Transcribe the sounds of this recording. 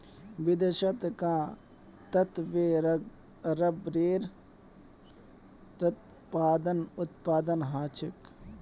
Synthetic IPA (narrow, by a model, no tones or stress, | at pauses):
ʋɪd̪ɐʃɐt̪kãː | t̪ɐt̪ʋeː | ɾɐbɾeːɾ | t̪ɐt̪ | paːd̪ənʊt̪̚paːd̪ənɦaːt͡ʃɪk